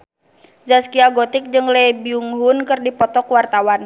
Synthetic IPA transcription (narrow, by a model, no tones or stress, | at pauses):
d͡ʒaskiaɡɔt̪ik̚d͡ʒɨŋlɛbiuŋɦunkɨrdipɔt̪ɔkwart̪awan